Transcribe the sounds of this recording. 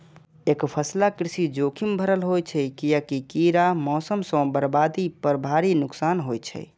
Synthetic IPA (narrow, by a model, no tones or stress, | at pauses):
ekpʰəslakɾisid͡ʒokʰimbʱəɾəlɦojt͡ʃʰɛjkijakikiɾamɔsəmsə̃bəɾbad̪ipəɾbʱaɾinuksanɦojt͡ʃʰɛ̰